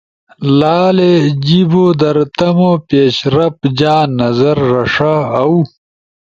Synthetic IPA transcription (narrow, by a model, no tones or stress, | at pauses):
laːled͡ʑibod̪ɐɾt̪ɐmopeːɕɾɐpd͡ʑaːnːɐzɐɾːɐʂaɐw